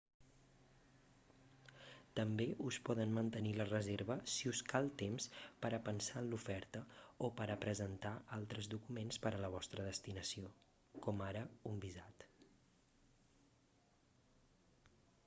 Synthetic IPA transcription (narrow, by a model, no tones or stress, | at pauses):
t̪əmbeʔuspɔðənmənt̪ənilərəzeɾβəsiuskalˠt̪emspəɾəpənsaənlufɛɾt̪əopəɾəpɾəzənt̪aalˠt̪ɾəzðukumenspəɾələβ̞ɔst̪ɾəðəst̪inəsio | kɔmaɾəumbizat̪